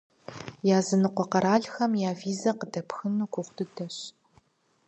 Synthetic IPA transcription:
jaːzɨnɨqʷɔqɐɾaːɮxɐmjaːviːzɐqədɐpxɨnukʷʊχʷdɨdɐɕ

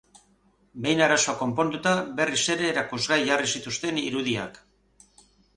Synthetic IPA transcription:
be̞jnaɾaso̞ako̞mpo̞nd̪ut̪aβe̞rise̞ɾe̞ːɾakuzɣajʝarisit̪ust̪e̞niɾuðia̰k

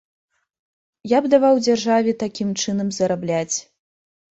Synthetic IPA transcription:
jabd̪avawd͡zʲarʐavʲɛt̪akʲimt͡ʂɨnɐmzɐɾablʲat͡sʲ

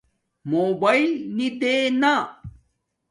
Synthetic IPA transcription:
mobajlnid̪ena

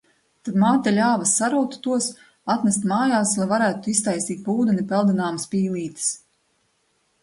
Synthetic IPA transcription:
t̪ad̪maːt̪alʲaːvasːaɾuwt̪u̥t̪uɔs | at̪nʲɛst̪maːjaːslˠajvaɾæːt̪uist̪ajst̪iːt̪̚buːd̪ɛnipɛlˠd̪inaːmspiːlˠiːt̪i̥s

